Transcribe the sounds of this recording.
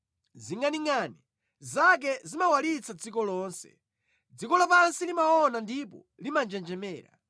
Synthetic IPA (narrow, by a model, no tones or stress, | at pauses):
ziŋɡaniŋani | zak̬ɛzimawalit͡sʰad͡zikɔlɔːnsɛ̥̰ | d͡zikɔlapansilimaɔnandipɔ̰ | limand͡ʒɛnd͡ʒɛmɛːɾa̰